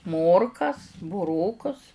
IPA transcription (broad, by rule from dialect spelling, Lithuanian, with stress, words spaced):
ˈmoːrkɐs bʊˈroːkʊs